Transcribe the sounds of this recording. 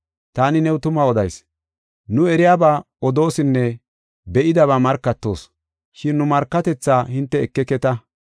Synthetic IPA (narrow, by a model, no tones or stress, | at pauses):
t̪aːnɪnɛwt̪ʊmɐɔd̪ɐjs | nʊɛɾɪjaːba | ɔd̪o̞ːsɪnːɛ | bɛʔɪd̪ɐβamɐɾkːɐt̪ːo̞̰ːs | ʃɪnːʊmɐɾkːɐt̪ɛt͡sːaːhɪnt̪ːɛːkːɛkːɛt̪ɐ